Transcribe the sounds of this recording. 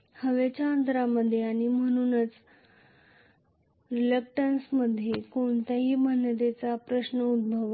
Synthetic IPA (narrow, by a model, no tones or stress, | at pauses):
həʋet͡ɕjaənt̪ɾaməd̪ʱːjeaɽ̃im̤əɽ̃uːnət͡s | ɾilək̚ʈənsməd̪ʱːjekoɳt̪aɦiːbənːət̪et͡sapɾəɕnəud̪̚bʱəʋ